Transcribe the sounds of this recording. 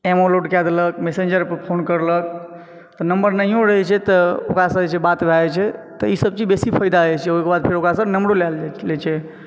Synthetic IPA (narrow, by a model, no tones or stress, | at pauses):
emoloɖkad̪lək̚mesend͡ʒəɾpəpʰonkəɾlək̚ | t̪ɔnəmbəɾnəɦiõɾəɦɛt͡ʃʰɛt̪ɔokɾasə̃ɛt͡ʃʰɛbat̪bʱaɛt͡ʃʰɛt̪ɔisəb̚t͡ʃid͡ʒbesipʰəjd̪aət͡ʃʰɛoɦikebad̪̚pʰeɾokɾasə̃nəmɾolallɛt͡ʃʰɛ